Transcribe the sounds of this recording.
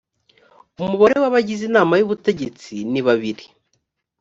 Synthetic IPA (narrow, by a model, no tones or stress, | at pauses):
umuβaɾe̞waβaɟizinaːmajuβute̞ɟe̞t͡siniβaβiɾi